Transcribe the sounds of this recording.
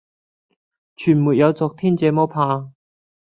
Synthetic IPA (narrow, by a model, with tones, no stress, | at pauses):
t͡ʃʰyː˨˩muː˨˩t̚jɐ˨˧wt͡sɔː˧k̚t̪ʰiː˥nt͡sɛː˨˧mɔː˥pʰaː˧